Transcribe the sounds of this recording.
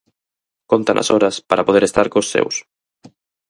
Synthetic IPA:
kont̪ɐ̰nʔɐ̰sɔɾɐspaɾɐpoðeɾest̪aɾkosːḛws

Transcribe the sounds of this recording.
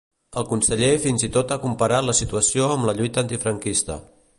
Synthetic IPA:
əlˠkunsəʎefinzit̪ot̪akumpəɾat̪ləsit̪uəsioəmləʎujt̪əːnt̪ifɾəŋkist̪ə̰

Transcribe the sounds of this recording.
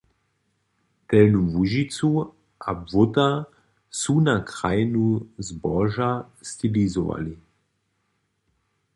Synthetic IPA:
t̪ɛlnumvuʒit͡s̪u | abvot̪a | sunakɾajnuzbɔʒa | st̪ilizɔʋa̰li

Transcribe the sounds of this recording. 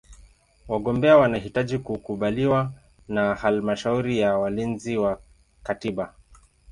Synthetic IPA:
waɠɔmbɛawanaɦitaʄikukuɓaliwa | nahalmaʃauɾijawalinziwa | katiɓa

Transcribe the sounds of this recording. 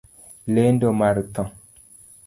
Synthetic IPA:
lendomaɾt̪ɔ̃

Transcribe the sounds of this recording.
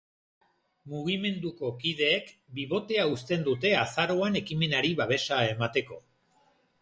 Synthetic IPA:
muɣ̞ime̞nd̪uko̞kið̞e̞ːkbiβo̞t̪e̞aust̪e̞nd̪ut̪e̞asaɾo̞ane̞kime̞naɾiβaβe̞sae̞mat̪e̞ko̞

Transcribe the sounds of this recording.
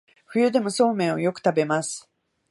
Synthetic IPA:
ɸɯ̟jɯ̟d̪e̞mo̞so̞ːmẽ̞ɰ̃ojo̞kɯ̟̥t̪abe̞masɨ̥

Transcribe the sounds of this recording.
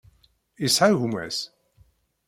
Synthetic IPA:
isʕaʝumæ̰s

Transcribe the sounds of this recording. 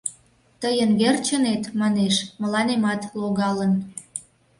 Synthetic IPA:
t̪əjənɡert͡ɕənet̪mɑneʃməlɑnemɑt̪loɣɑlən

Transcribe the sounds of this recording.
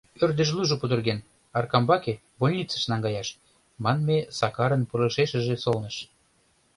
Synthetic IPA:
ørd̪ə̆ʒluʒopud̪ərɣen | ɑrkɑmbɑke | bolʲnʲit͡sə̥̆ʃnɑŋɡɑjɑʃ | mɑnmesɑkɑɾənpuləʃeʃə̆ʒesolnəʃ

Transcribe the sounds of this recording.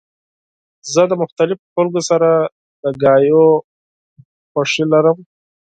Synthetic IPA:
zəd̪əmʊxt̪alɪfoxalɡosaɾa | d̪əɡɑjo | xaʂilaɾəm

